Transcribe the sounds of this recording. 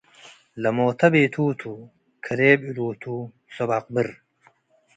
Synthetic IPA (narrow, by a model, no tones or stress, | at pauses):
lɐmoːt̪ʰɐbeːt̪ʰuːt̪ʰu | kʰɐɾeːbiluːt̪ʰuː | sobaq̚bɨɾ